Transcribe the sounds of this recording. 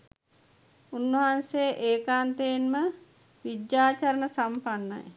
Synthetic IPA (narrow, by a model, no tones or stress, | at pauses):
unːʋəɦanseːʔeːkaːnt̪eːnmə | ʋid̪jaːt͡ʃaɾənəsampanːa̰j